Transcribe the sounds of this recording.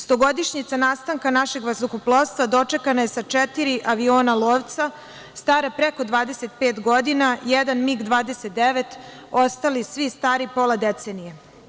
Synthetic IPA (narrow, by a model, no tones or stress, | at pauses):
st̪oɡo̞d̪iʃɲit̪sanaːst̪aŋkanaʃe̞ɡʋazokoplˠost̪vad̪o̞t͡ʂe̞kanaje̞sat͡ʂɛt̪iɾiʔaʋio̞ːnalˠoːʋt̪sa | st̪aːɾapɾe̞ko̞d̪ʋaːd̪e̞set̪peːt̪ɡo̞d̪inajed̪anmiɡd̪ʋaːd̪e̞set̪̚d̪eʋe̞t̪ | ost̪alisʋist̪aːɾipo̞lad̪et̪senije